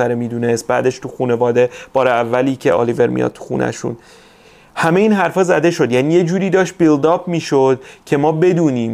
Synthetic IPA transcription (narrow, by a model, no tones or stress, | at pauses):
æɾemiːd̪uːne̞st̪̚bæ̰ːd̪e̞ʃt̪uxuːne̞vɒːd̪e̞b̥ɒːɾeævːæliːcʰe̞̰ʔɒ̰live̞ɾmḭjɒ̰d̪̚t̪ʰu̥xṵːnʔæ̰ʃṵn | hæmejiːnɦæɾfɒːzæd̪e̞ʃo̞d̪jæːniːje̞d͡ʒuːɾiːd̪ɒːʃt̪̚bild̪ɒːbmiːʃo̞d̪̥̚cʰe̞mɒːbe̞d̪uːniːm